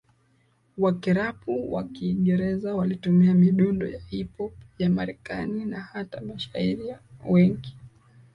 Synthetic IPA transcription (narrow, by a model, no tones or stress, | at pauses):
wakiɾapuwa̰kiːŋɡɛɾɛzawalitumiamiɗundɔ̰jahipɔpjamaɾɛkaninahatamaʃaiɾiawɛŋɡi